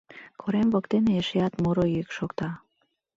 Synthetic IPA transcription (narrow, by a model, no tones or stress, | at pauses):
kʰoɾemβɤkt̪eneeʃeɑt̪moɾojyekʃokt̪ɑ